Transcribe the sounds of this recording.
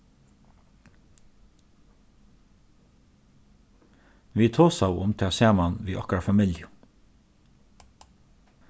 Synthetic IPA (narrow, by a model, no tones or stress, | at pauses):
ʋiːt̪ʰoːsɑʊʊ̰mt̪ʰɛseːmɑnʋiːʔɔkɾɑfɑmɪljʊ